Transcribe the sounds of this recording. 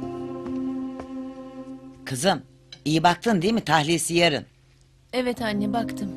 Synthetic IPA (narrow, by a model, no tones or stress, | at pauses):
kʰɯzɯm | ijibak̚t̪ʰɯnd̪imit̪ʰahlʲiːsijaɾɯ̰n | evɛt̪ʰanʲːibakt̪ʰɯm